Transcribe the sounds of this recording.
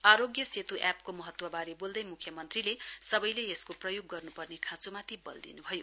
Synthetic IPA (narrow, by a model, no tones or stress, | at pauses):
aɾoɡjʌset̪uʔapkomʌɦʌt̪wʌbaɾibold̪ʌjmukʰjʌmʌnt̪rilesʌbʌjleeskoprʌjoɡːʌrnupʌrnekʰãt͡sumat̪ibʌ̰ld̪ḭnubʱʌjo